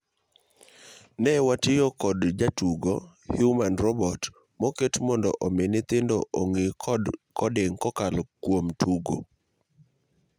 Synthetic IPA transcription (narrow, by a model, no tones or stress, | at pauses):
nɛwatɪjɔkɔdd͡ʒatuɡo | hjumanɾɔbɔt | mɔketmɔndɔ̰ʔomenɪt̪ɪndoʔoŋɡekɔdeŋkɔkalkwomtʰuɡo̰